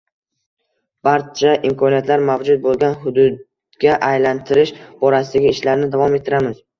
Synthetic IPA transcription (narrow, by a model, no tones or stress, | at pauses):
b̥aɾt͡ʃʰaʔɪmkʰɒnijat̪laɾmavd͡ʒʊd̪̚bolˠɡʲanɦʊd̪ʊd̪ | ɡʲaʔajlant̪ʰɪɾɪʃbɒɾasɪd̪aɡʲɪɪʃlaɾnɪd̪avɒme̞t̪ʰːɪɾamɪz